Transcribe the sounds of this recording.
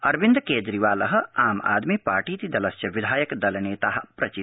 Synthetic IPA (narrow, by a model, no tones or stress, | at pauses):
ɐɾbind̪keːd͡ʒɾiʋaːlɐɦɐ̆aːma̰ːd̪mipa̰ːʈiːt̪id̪ɐlɐst͡ʃɐʋid̪ʱaːjɐkd̪ɐlɐneːt̪aːɦ̆pɾɐt͡ʃi